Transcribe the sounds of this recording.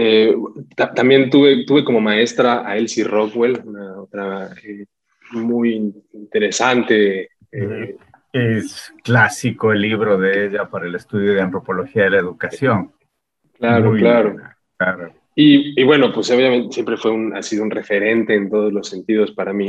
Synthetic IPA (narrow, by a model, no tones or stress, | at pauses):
et̪at̪ambje̞nt̪uβe̞t̪uβe̞ko̞mo̞mae̞st̪ɾaʔaelsiro̞kwe̞lunao̞t̪ɾae | mujiint̪e̞ɾe̞sant̪e̞ | e | esklasikoelːiβɾo̞ðeeʝapaɾaelest̪uðjo̞ðeant̪ɾo̞po̞lo̞xiaðelaeðukasjo̞n | klaɾolaɾo̞ | laɾo | iiβwe̞no̞pwe̞so̞βjament̪esjempɾe̞fwe̞una̰siðounre̞fe̞ɾe̞nt̪e̞ːnt̪o̞ð̞ozlo̞sːe̞nt̪ið̞o̞spaɾamĩ